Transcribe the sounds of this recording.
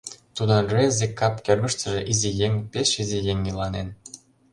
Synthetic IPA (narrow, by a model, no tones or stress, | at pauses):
t̪ud̪ənrezekːɑpkʲørɡə̆ʃt̪əʒeʔizijeŋpeʃizijeŋʲːilɑnen